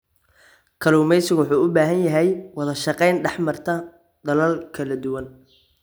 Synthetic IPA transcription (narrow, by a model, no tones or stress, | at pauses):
kʰɐluːmɛjsɪɣʊwʊħuːʊbaːɦɐnjɐɦɛjwɑðɐʃɑqɛjnɖɛħmɐrt̪ʰɐ | d̪ɐlɐlkʰɐlɐd̪ʊwɐn